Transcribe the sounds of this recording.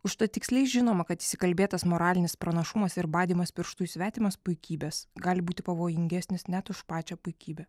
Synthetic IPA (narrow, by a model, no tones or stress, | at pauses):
ʊʃt̪ɐt̪ʲɪksʲlʲɛɪʒʲɪnoːmɐkɐt̪ɪsʲɪkɐlʲbʲeːt̪ɐsmoːɾɑːlʲɪnʲɪspɾɐnɐʃʊmɐsɪɾbɑːd̪ʲiːmɐspʲɪɾʃt̪uːjusʲʋʲæːt̪ʲɪmɐspʊɪkʲiːbʲeːsɡɑːlʲɪbuːt̪ʲɪpɐʋoːjɪŋʲɡʲæsʲnʲɪsnʲæt̪ʊʃpɑːt͡ʃʲɛːpʊɪkʲiːbʲɛ